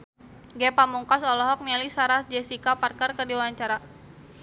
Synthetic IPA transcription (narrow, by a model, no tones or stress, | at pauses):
ɡɛpamuŋkasɔlɔɦɔk̚nɛlisaɾasd͡ʒɛsikaparkərkərdiwaaɲt͡ʃaɾa